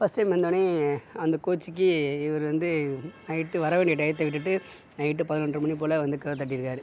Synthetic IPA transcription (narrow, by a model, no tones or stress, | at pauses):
fɐsʈːɐɪmʋɐnd̪oɳeɐnd̪ɐkoːt͡ʃːikːɯɪʋɐɾɯʋɐnd̪ɯnɐɪʈːɯʋɐɾɐʋeːɳɖɪɐʈɐjt̪ːɐʋɪʈ̬ːɯʈːɯ | nɐɪʈ̬ːɯpɐðɯnɐɳɖdrɯmɐɳːip̬ːoːlɐʋɐnd̪ɯkɐːt̪̬ːɐʈːɪɪɾɯkːaːɾɯ